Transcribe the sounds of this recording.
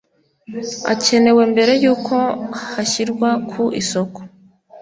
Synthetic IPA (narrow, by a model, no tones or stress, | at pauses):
a̰ce̞ne̞we̞mbe̞ɾe̞juːkʰo̞haçiɾɡwakʰuʔiso̞ko̥